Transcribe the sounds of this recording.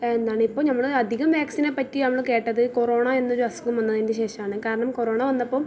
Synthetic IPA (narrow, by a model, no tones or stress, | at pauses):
end̪aːɳɨipːoːnɐmːɐɭɐd̪ʱiɣɐmʋjaːksinɐpɐtːinɐmːɐɭke̞ːʈːɐðɨko̞ro̞ːɳɐe̞nːoɾuɐsu̥ŋumʋɐnːɐðindeɕe̞ːʂɐmaːɳɨkaːɾɐɳɐmko̞ɾo̞ːɳɐʋɐnːɐpːoːm